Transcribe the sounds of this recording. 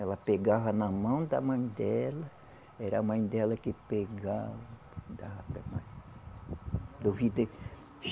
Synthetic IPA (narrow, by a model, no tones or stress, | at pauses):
ɛlɐpeɡaβɐnãmɐ̃w̃d̪amɐ̃j̃d̪ɛlɐ | ɛɾamɐ̃j̃d̪ɛlɐkepeɡavɐ | d̪ahat̪ḛmã̰j̃ | d̪ovid̪e | ʃ